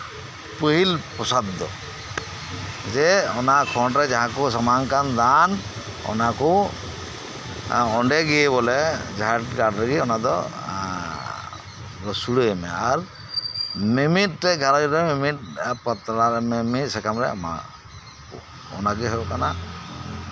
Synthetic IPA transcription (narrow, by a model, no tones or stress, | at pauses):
pəɦilpɔsad̪ːɔ̰ | d͡ʒɛɔnakʰɔɳʈɾɛd͡ʒaɦãkɔsamaŋkand̪an | ɔ̰nakɔ | ɔɳɖɛɡɛbɔlɛd͡ʒaʈɡaɖɾɛɡiɔnad̪ɔ̰ | ɾɔsuɽəemɛaɾ | mimit̚tɛɡʱaɾaɡiɾɛmimit̚pɔt̪ɾaɾmɛmitsɛkamɾɛama̰ | ɔ̰naɡiɦəbɔkana